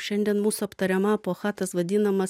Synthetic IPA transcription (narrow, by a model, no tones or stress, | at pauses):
ʃʲɛnʲd̪ʲɛnmuːsʊɐpt̪ɐɾʲɛmɐɐpoːxɑːt̪ɐsʋɐd̪ʲɪnɐmɐs